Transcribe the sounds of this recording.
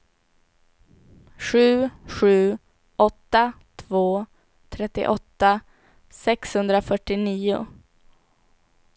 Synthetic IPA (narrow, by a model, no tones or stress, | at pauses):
ɧʉ̟ːɧʉ̟ː | ʔɔt̪ːat̪ʰvoː | t̪ʰɾɛt̪ːɪ̰ʔɔt̪ːa | sɛkshɵnd̪ɾafœʈːɪniːʊ̰